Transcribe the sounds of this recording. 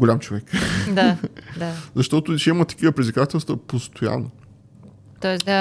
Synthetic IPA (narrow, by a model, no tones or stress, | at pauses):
ɡolʲamt͡ʃovɛkd̪ad̪azɐʃt̪ɔt̪ʊʃimət̪ɐ̥kivəpɾid̪zvikat̪ɛlˠst̪vəpost̪oja̰nːo | t̪ɔɛsd̪a